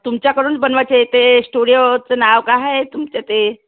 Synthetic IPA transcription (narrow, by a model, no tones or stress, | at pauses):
t̪umt͡ɕjakəɾuːnbənʋat͡ɕet̪esʈuɽijot͡sənaʋkaɦet̪umt͡ɕet̪e